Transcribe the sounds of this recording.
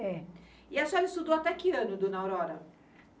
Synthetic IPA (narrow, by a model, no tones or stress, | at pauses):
ɛ | ɪasɔɛlɐɪst̪ud̪owat̪ɛkɪɐ̃nʊd̪õnawɾɔɾɐ